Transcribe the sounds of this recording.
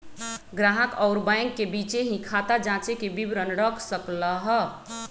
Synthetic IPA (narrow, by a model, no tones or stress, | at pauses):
ɡɾaɦəkɔʊɾbajŋɡːebit͡ʃeɦĩkʰat̪ad͡ʒãt͡ʃekebibɾənɾəkʰsəkləɦ